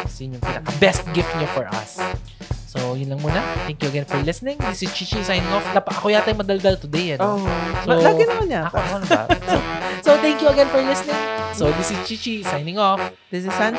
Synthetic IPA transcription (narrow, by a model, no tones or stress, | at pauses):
sɪɲjʊŋpinɐkɐbɛst̪̚ɡɪft̪̚ɲofɔɹʔɐ̰sː | ojʊnlɐŋmuːnɐt̪ɛ̃ŋkjuɐɡɛnfɔɹlɪsnɪ̃ŋd̪isɪt͡ʃit͡ʃisajnɪ̃ŋofnɐpɐʔɐkʊjaːt̪ɐjŋmɐd̪ɐld̪ɐlt̪ʊd̪ɛjɐnosoɐlaɡɪnɐkonaɐkoonɐosot̪ɛ̃ŋkjuɐɡɛnfɔɹlɪsnɪ̃ŋsod̪isɪt͡ʃit͡ʃisajnɪ̃ŋof | d̪ɪsɪsɐn